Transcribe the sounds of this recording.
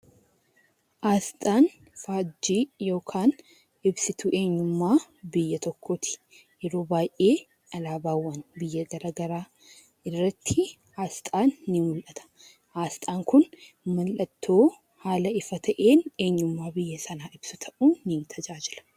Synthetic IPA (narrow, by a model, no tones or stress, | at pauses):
ʔaːst̪ʼaːn | faːd͡ʒːiːjo̞ːkʰaːn | ɪbsɪt̪ʊʔe̞ːɲːʊmːaːbɪjːɐt̪ɔkʰːoːt̪ʰɪ̥ | jɛɾoːbaːjʔe̞ː | ɐlaːbaːwːɐnbɪjːɐɡɐɾaɡɐɾaː | ɪrːɐt̪ʰːɪ | aːst̪ʼaːnːɪmʊlʔɐt̪ʰɐ̥ | ʔaːst̪ʼaːŋkʊn | mɐlʔɐt̪ːo̞ː | haːlɐɪfɐt̪ʰɐʔe̞ːne̞ːɲːʊmːaːbɪjːɐsɐnaːɪb̥sʊt̪ʰɐʔuːnːnt̪ʰɐd͡ʒaːd͡ʒɪlɐ̥